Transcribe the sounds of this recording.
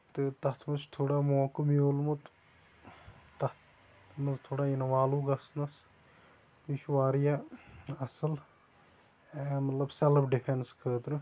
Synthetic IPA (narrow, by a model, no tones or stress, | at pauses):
t̪ɨt̪ɐt̪ʰmɐt͡ʃʰt̪ʰoːɽamoːkɨmiolmut̪ | t̪ɐt̪ | mɐzt̪ʰoːɽaːinɐʋaːluːɡɐsnɐs | piʃʋaːɾijaɐsɨl | emɐt̪lɐbseləbɖifʰenskʰəːt̪ɾɨ